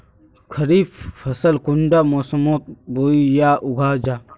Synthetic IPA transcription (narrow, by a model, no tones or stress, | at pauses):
kʰɐɾiːbfɐsəlkʊɳɖaːmoːsɐmoːt̪̚boːijaːʔʊɡʱaːd͡ʒaː